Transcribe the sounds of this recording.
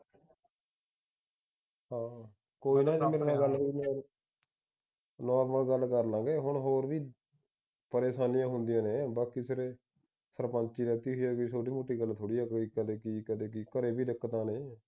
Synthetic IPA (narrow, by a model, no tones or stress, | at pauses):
hãː | koːiːnaːd͡ʒmeɾãːɡəlʋiːnɔːɾ | nɔːɾməlɡəlːkəɾlãːɡeːɦʊɳɦoːɾʋiː | pəɾeːsaːnɪjãːɦʊnd̪ɪjãːneːbaːkiːsɪɾeː | səɾpə̃nt͡ʃiːɾɛːt̪iːɦoiːaːkisʰoːɖiːmoːʈːiːɡəlt̪ʰoːɽiːaːkːkəd̪eːkikəd̪eːkɪkəɾeːbiːdɪkːt̪ãːnẽː